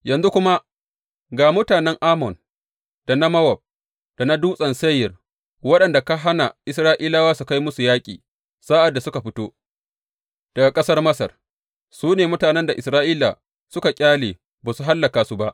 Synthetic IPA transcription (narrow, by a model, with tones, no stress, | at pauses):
jɐ˨nzu˦kʷʊ˦ma˦ | ɡaː˨mʊ˦taː˨nɛ˦ŋʔaː˦mɔ˨n | d̥a˨na˦mɐ˦wɐ˨b̚ | d̥a˨na˦duː˦sʼɐ˨nsɐ˦jːɪ˨r | wɐ˦ɗɐ˨nda˨ka˦ɦa˦na̰˨ʔɪ˦s̬ɾaː˦ʔiː˦laː˦waː˦su˨ka˦jmʊ˦su˨jaː˦kʲʼḭː˨ | saː˦ʔa˨dːa˨sʊ˦ka˨ɸɪ˦toː˦ | d̥ɐ˨ɡa˨kʼɐ˦sɐ˦rmɐ˦sɐ̰˨r | suː˦neː˨mʊ˦taː˨nɛ˦nda˨ʔɪ˨sɾaː˦ʔiː˦la̰˨ | sʊ˦ka˨kʲʼaː˦leː˨ | baː˨su˨ɦa˦lːɐ˨kaː˨su˦ba˦ʔ